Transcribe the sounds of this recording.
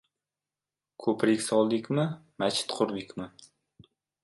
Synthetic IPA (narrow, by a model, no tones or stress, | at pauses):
kʰɵpɾɪkʲsɒlˠd̪ɪkʲmɪmat͡ʃʰɪ̥t̪qʰʊɾd̪ɪkʲmɪ